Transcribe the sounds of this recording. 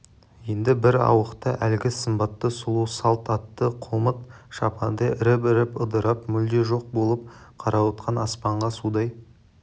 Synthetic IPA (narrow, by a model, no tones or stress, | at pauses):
je̞nd̪ɪbɪɾɑ̰wəqt̪əʔælɡʲɪsəmbɑt̪ːəsʊlˠusɑlˠt̪ɑt̪ːəqʰomət̪̚ | ʃɑ̰pʰɑnd̪əɪɾɪp̬ɪɾɪpəd̪əɾɑpmʏld̪e̞ʒo̞q̚bo̞lˠəp̚qʰɑɾʔɑwot̪qʰɑnɑspɑɴʁɑsud̪ɑj